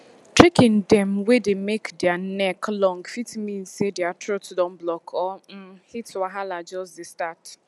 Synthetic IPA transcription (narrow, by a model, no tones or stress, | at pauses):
tɹikɪ̃ndɛmwedemekdeanɛklɔ̃ŋɡfitmĩn̩sedeatɾotsdɔ̃n̩blɔkʰɔm̩hitwaɦalad͡ʒɔsdɪstat